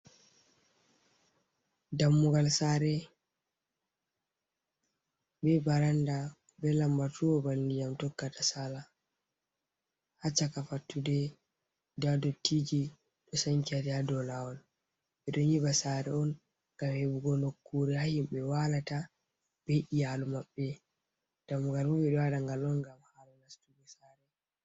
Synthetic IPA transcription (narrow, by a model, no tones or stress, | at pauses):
damːuɡalsaːɾɛ | bɛbaɾanda | bɛlambatuwɔbandijamtɔkːatasala | hat͡ʃːakafatːudɛ | ddɔtʰːid͡ʒi | ɗɔsaŋkiadɛhadɔlawɔl | ɓɛɗɔɲibasaɾɛɔn | ɡ̥amhɛbuɡɔnokːuɾɛhahiɓɛwalata | b̥eʔijalumaɓːɛ | d̥amɡalmɔɓɛɗɔwaɗaŋɡalɔnɡamhalɔnastuɡɔsaːɾɛ